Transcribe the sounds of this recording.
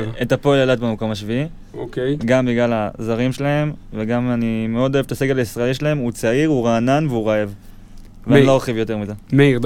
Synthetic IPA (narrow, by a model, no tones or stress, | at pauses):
et̪apo̞eljalat̪bemako̞maʃvii | okɡambiɡlalazaʁimʃelae̞mveɡamanime̞o̞d̪o̞evet̪aseɡelaisʁaeliʃelae̞mut͡saiʁuʁaːnanveuʁaev | veaniloχivjo̞te̞ʁmize̞me